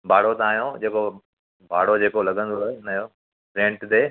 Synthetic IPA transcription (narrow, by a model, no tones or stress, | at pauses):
bʱaːɽ̤ot̪aːɦijõd͡ʑeːko | bʱaːɽ̤od͡ʑeːkolɐɠə̃nd̪oenɐjo | ɾẽːɳʈt̪eː